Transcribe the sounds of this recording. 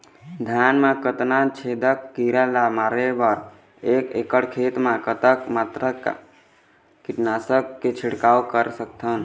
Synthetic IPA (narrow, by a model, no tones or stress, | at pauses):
d̪ʱjanmakət̪nat͡ʃʰed̪əkːiɾalamaːɾebəɾ | ekekəɽkʰet̪mãkət̪əkmaːt̪ɾə̰ | kiʈnaːsəkːet͡ʃʰiɽkaokəɾsək̚t̪ʰən